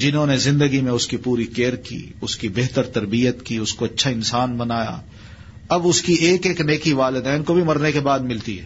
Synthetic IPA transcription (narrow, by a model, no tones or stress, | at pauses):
d͡ʒɪnɦõːnezɪ̃nd̪əɡimẽʊskipuːɾikeːɾkḭːʊskibeɦt̪əɾt̪ɐɾbijət̪kiʊskoɐtːʃʰaɪnsaːnbɐnaːja̰ː | ɐbʊskieːkeːkneːkiʋaːlɪd̪ɛːnkobʱimɐɾnekebaːd̪mɪlt̪iɦɛ̰ː